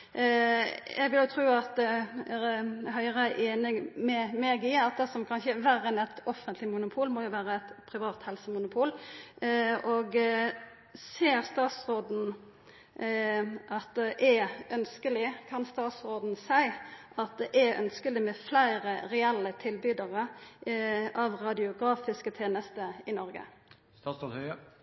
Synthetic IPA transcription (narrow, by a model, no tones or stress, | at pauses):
ɛɡʋɪljʊt̪ʰɾuːɑt̪̚d̪ɛæɦœʏʁəʔeːnɪmɛmeːɡɪɑt̪̚d̪ɛsɔmkʰɑnçəʋæɾənɛt̪ɔfənt̪lɪmʊnʊpʰuːlmɔjʊʋæːɾəɛt̪pʰɾɪʋɑːt̪hɛlsəmʊnʊpʰuːl | ɔɡ | seːɾst̪ɑːt̪sʁoːd̪n̩ | ʔɑt̪̚d̪ɛʔɛœnskəlɪkʰɑnst̪ɑːt̪sʁoːd̪n̩sæɪ | ɑt̪̚d̪ɛʔæœ̰nskəlɪmɛflæɪɾəɾɛɛlːət̪ʰɪlbyːd̪əʁə | ʔɑʋɾɑd̪ɪʊɡɾɑːfɪskət̪ʰeːnəst̪əɪnɔɾɡə̰ | st̪ɑsoːhœə